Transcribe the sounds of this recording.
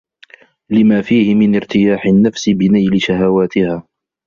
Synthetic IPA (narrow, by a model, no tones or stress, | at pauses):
lɪmaːfiːhɪmɪnɪɾt̪ɪjaːħɪnːafsɪbɪnajlɪʃaɦawaːt̪ɪhaː